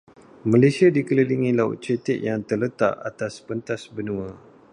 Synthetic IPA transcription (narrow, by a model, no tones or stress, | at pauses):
mãlasiadikələliŋilaṵt̪̚t͡ʃət̪ɪʔjaŋt̪ərlət̪a̰ʔa̰t̪aspənt̪asbənũa